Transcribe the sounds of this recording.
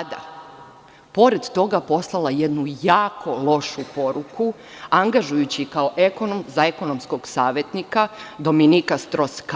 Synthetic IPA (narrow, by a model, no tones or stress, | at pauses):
d̪a̰ | po̞ɾed̪t̪o̞ɡapo̞slˠalˠajed̪nujaːkʰo̞lˠo̞ʃupo̞ɾuku | aŋɡaʒujut͡ɕikao̞ʔe̞ko̞nomzaeko̞nomsko̞ɡsaːʋje̞t̪nikad̪o̞minikast̪ɾo̞ska